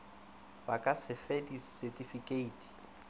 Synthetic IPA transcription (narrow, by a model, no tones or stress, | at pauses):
bakʼasɪfɛdisɛtʼifikʼeiːtʼi̥